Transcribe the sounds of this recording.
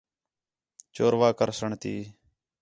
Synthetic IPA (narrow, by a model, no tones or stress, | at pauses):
t͡ʃoːɾʋaːkəɾsəɳt̪iː